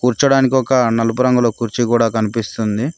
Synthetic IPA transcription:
kuːɾt͡ʃɐɽaːnik̬iɔkɐnɐlup̬uɾɐŋɡuloːkuːɾt͡ʃikuːɽaːkɐnipist̪und̪i

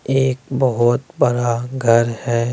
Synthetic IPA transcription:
eːkbɐɦʊt̪bɐɽaɡʱɐɾhɛː

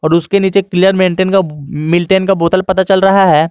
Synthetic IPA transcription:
ɔːɾʊskeniːt͡ʃekɪlɪjəɾmẽːɳʈeːnkamɪlʈeːnkaboːt̪əlpɐt̪at͡ʃɐlɾɐɦaɦɛː

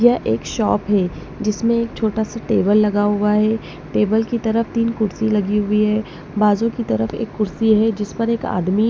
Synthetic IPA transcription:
jɐʔeːkʃɔːpɦɛ | d͡ʒɪsmẽeːkt͡ʃʰoːʈasaʈeːbəlːɐɡaɦʊaɦɛ | ʈeːbəlkit̪ɐɾəft̪iːnkʊɾsilɐɡiɦʊiɦɛː | baːzõkit̪ɐɾəfḛːkːʊɾsiɦɛd͡ʒɪspɐɾeːka̰ːd̪mi

